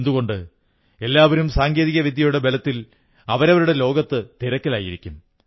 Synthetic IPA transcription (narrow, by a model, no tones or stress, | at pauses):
nd̪uɣo̞ɳɖɨ | e̞lːaːʋɐɾumsaːŋɡe̞ːðiɣɐʋid̪ʱjɐjuɽe̞be̞lɐt̪ːil | ɐʋɐɾɐʋɐɾuɽe̞lo̞ːɡɐt̪ːɨt̪iɾɐkːɐlaːjḭɾikʲːum